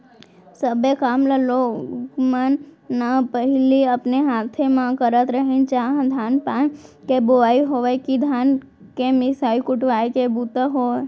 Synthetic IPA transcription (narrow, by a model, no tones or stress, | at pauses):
səbekaːmləlokmənːapəɦliəpneɦat̪ʰemãkəɾət̪ɾəɦẽnt͡ʃaɦd̪ʱaːnpakeboʋaːiɦoʋekid̪ʱaːn | kemɪsaːikʊʈʋaːjkebut̪əɦo